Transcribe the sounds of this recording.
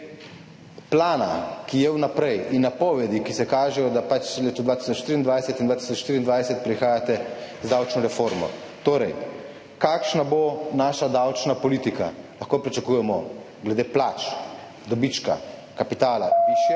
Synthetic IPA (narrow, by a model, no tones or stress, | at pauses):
plaːna̰kijɛwnapɾɛjinːapɔːʋɛd̪ikisɛkaːʒɛjɔd̪apat͡ʃleːt̪ɔd̪ʋat̪i̥sɔt͡ʃʃt̪iɾind̪ʋajsɛt̪ind̪ʋaːt̪i̥sɔt͡ʃʃt̪iːɾind̪ʋajsɛt̪̚pɾixaːjat̪ɛ | zd̪awt͡ʃnɔɾɛfoːɾmɔ̰ | t̪oːɾɛj | kaːkʃnabonaːʃad̪awt͡ʃnapɔlit̪ika̰laxkopɾit͡ʃakuːjɛmɔ | ɡlɛd̪eplaːt͡ʃ | d̪ɔbit͡ʃka̰ | kapit̪aːla̰ʋiʃjɛ